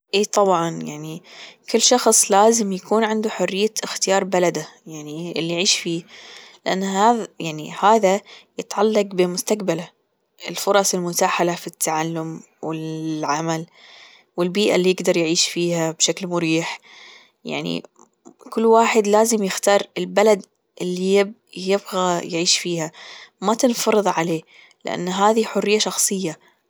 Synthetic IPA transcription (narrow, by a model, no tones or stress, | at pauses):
ʔeːt̪ˤɑbʕɑnjaʕnikɪlːʃɑxsˤlaːzɪmjakuːnʕɪnd̪uħʊrːɪjːaɪxt̪ɪjɑːɾˤbalad̪ajaʕniɪlːijʕiːʃfiːlɪʔanːɦaðjaʕnḭhaːðajɪt̪ʕalːɑqbɪmʊst̪aqbala | ʔɪlfʊɾˤɑsˤɪlmʊt̪aːħalafit̪ʰːaʕalːʊm | wɪʕamal | wɪlbiːʔa̰lːijɪɡd̪ɑɾˤjʕiːʃfiːhabʃaklmʊɾiːħ | ja̰ʕnḭ | kʊlːwaːħɪd̪laːzɪmjɪxt̪ɑːɾˤɪlbalad̪ | ʔɪlːijɪb | jɪbɣajʕiːʃfiːhamat̪ɪnfɑɾˤɨðˤʕaleː | lɪʔa̰nːɦaːðiħʊrːɪjːaʃɑxsˤɨjːa